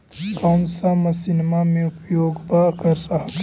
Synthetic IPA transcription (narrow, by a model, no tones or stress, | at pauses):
kaːnsamɐsinmamẽʊpjoːɡbakɐɾsaɦ